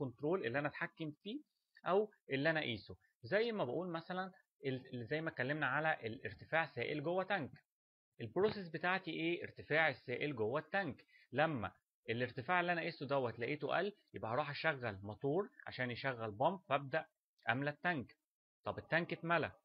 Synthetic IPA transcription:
kont̪ɾoːlʔelːiʔænæt̪ħakːemfiː | ʔæwʔelːiʔænæʔiːso | zæjːmæbeʔuːlmæsælæn | ʔezæjːmæt̪̚kælːemnæʕalæʔeleɾt̪efaːʕsæːʔelɡowːæt̪æŋk | ʔelbɾoːses̬bet̪aːʕt̪iʔeːʔeɾt̪efaːʕesːæːʔelɡowːæt̪ːæŋk | læmːæ̰ | ʔelʔeɾt̪efaːʕelːiʔænæʔiːsod̪æwːæt̪læʔiːt̪o̰ʔæ̰lːjebʔæhɑɾˤuːħhæʃæɣːælmɑt̪ˤuːɾʕa̰ʃæːnjeʃæɣːælbɑmbfæb̚d̪æʔ | ʔæmlæt̪ːæŋk | t̪ˤɑbet̪ːæŋket̪mælæ

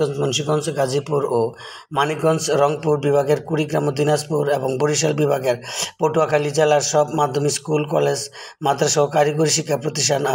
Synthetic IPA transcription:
ɔnt͡ɕmonʃiɡɔnsɡad͡ʑʱipuɾo | manikɡɔnsɾɔŋpuɾbibʱaɡeɾkuɾiɡɾamod̪inaspuɾeboŋboɾiʃ̬albibʱaɡeɾpoʈuakʰalid͡ʑalaɾʃɔbmad̪ʱomiskulkɔ̰led͡ʑ | mat̪ːɾaʃɔɦokaɾiɡuɾiʃikʰːapɾot̪iʃʈʰana

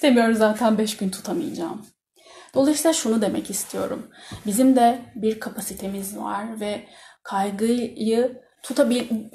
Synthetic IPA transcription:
semijo̞ɾumzaːt̪ʰænbɛʃɟynt̪ʰu̥t̪ʰamɯ̰jd͡ʒa̰ːm | d̪̥o̞lˠajsilˠaʃunud̪e̞mɛ̰cist̪ʰijo̞̰ɾṵmbizimd̪ɛbiɾkʰapʰasit̪ʰe̞mizva̰ɾvɛkʰajɡɯjɯ | t̪ʰut̪ʰabi

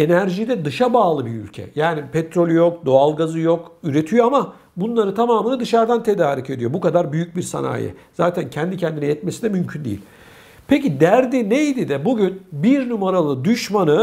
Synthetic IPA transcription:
e̞næɾʒid̪ɛd̪ɯʃabaːlˠɯbiɾy̰lʲcʰɛ̰jaːnipʰɛt̪ʰɾolʲyjo̞k̚d̪o̞alˠɡazɯjo̞kyɾe̞t̪ʰijo̞ama | bunlˠaɾɯt̪ʰamaːmɯnɯd̪ɯʃaɾd̪ant̪ʰe̞d̪aːɾice̞d̪ijo̞bukad̪aɾbyjyc̚biɾsa̰na̰ːjɛ̰z̥aːt̪ʰæncʰɛnd̪icʰɛnd̪inijɛt̪me̞sinɛmymcʰynd̪ejḭlʲ | pʰe̞cid̪æɾd̪inejd̪id̪ɛbuɟynbiɾnumaɾalˠɯd̪yʃmanɯ

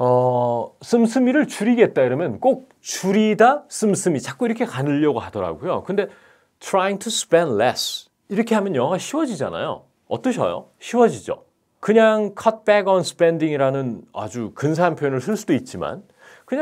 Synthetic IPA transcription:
ʌsʰɯmsʰɯmiɾɯɭt͡ɕuɾiɡe̞t̚t͈aiɾʌmjʌnk͈ok̚ | t͡ɕuɾidas͈ʰɯmsʰɯmit͡ɕak͈oiɾʌkʰe̞kanɯʎːʌɡohadʌɾa̰ɡujo̰kɯnde̞ | tʰɾajiŋtʰuspendles | iɾʌkʰe̞ɦamjʌnjʌŋɦʌɡaɕʰiwʌd͡ʑid͡ʑa̰na̰jo̰ | ʌt͈ʌɕʰʌ̰jo̰ɕʰiwʌd͡ʑid͡ʑo̰ | kɯɲaŋkʰʌt̚peɡʌnsʰɯ̥pendiŋiɾanɯna̰d͡ʑukɯns̬ʰaɦanpʰjojonɯɭs̬ʰɯɭs͈udoit̚t͡ɕ͈ima̰n | kɯɲa

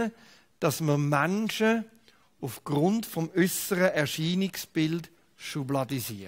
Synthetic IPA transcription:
d̥ɑsməmanʃə | ufɡ̥ʁʊntfɔmʏsəʁəʔɛʁʃiːnɪksb̥ɪld | ʃublɑdisi

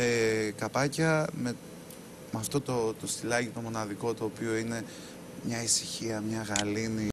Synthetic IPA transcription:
ekɐpɐcɐme | mɐft̪o̞t̪ot̪ost̪ilɐʝit̪o̞mo̞nɐðiko̞t̪o̞ːpio̞ine̞ | mɲɐisi̥çiɐmɲɐɣɐlini

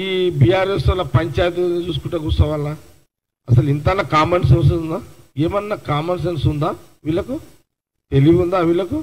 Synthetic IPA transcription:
iːbiːjaːɾesɐlːɐpɐɲt͡ʃaːjt̪̬init͡ʃuːs̬ukuʈɐk̬usɐʋɐlːa | ɐsɐlint̪ɐnːɐkaːmens̬ens̬und̪aːeːmɐnːakaːmens̬ensund̪aː | ʋilːɐku | t̪eliɡund̪aːʋilɐku

